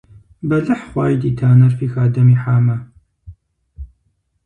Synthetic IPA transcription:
bɐlɨħχwaːjd̪iːt̪ʰaːnɐɾpiːxaːd̪ɐmiːħaːmɐ

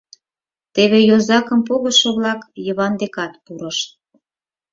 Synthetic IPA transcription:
t̪eβejozɑkə̆mpoɣəʃoβlɑkjəβɑnd̪ekɑt̪puɾəʃ

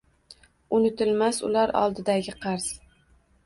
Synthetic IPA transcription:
ʊnɪt̪ɪlmasʊ̰laɾɒ̰lˠd̪ɪd̪aɡʲɪqʰɑɾz̥

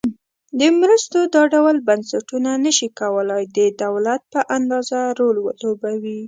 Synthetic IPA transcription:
d̪əmɾəst̪od̪ɑɖawəlbansaʈunanəʃikawəlajd̪əd̪awlat̪̚pəʔand̪ɑzaɾolwə̰lobawi

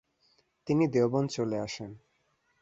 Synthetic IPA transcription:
t̪inid̪eobont͡ɕoleaʃen

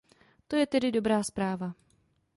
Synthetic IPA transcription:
t̪o̞jɛt̪ɛdɪdo̞bɾaːspɾaːva

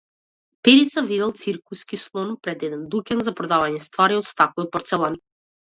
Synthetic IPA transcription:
pɛɾit̪savid̪ɛlˠt̪siɾkuskislˠɔnupɾɛd̪ɛd̪ɛnd̪ukʲɛnzapɾɔd̪avaɲɛst̪vaɾiɔt̪st̪akɔjɔpɔɾt̪sɛlˠan

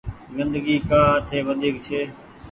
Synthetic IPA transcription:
zɪ̃nd̪əɡiːkaːt̪ʰeːʋənd̪ʱiːkt͡ʃʰeː

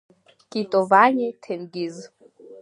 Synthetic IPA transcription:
kʼitʼovaɲitʰemɡiz

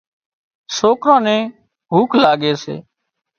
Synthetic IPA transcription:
soːkɾãːnɛ̃ː | ɦuːkʰlaːɠeːsḛː

